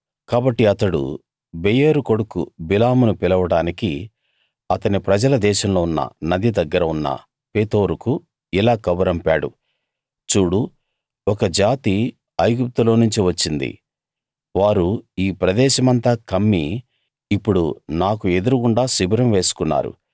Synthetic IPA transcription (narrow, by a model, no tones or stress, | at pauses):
kaːbɐʈːiɐt̪ɐɽṵ | bɛjeɾuko̞ɽukṵbilaːmunupilɐʋɐɽaːniki | ɐt̪ɐnipɾɐd͡ʒɐlɐd̪ɛːʃɐmlo̞ːunːɐ̰nɐd̪id̪ɐɡːɐɾɐunːɐ̰ | peːt̪o̞ːɾuku | ilaːkɐbɐɾɐmpaːɽṵ | t͡ʃuːɽu | ɔkɐd͡ʒaːt̪i | ɐjɡup̚t̪ulo̞ːnuɲt͡ʃiʋɐt͡ʃːind̪ḭ | ʋaːɾuiːpɾɐd̪ɛːʃɐmɐnt̪aːkɐmːi | ipːuɽunaːkue̞d̪uɾukuɳɖaːsibɾɐmʋe̞ːsu̥kunːa̰ːɾṵ